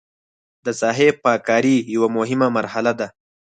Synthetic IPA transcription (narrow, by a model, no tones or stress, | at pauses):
d̪əsɑːɦepɑːkɑɾijawamʊɦɪmamaɾhalad̪a